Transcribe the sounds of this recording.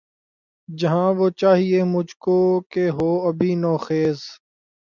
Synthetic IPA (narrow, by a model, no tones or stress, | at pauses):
d͡ʒəɦãːʋoːt͡ʃaːɦieːmʊd͡ʒʱkoːkeːɦoːəbʱiːnɔːxeːz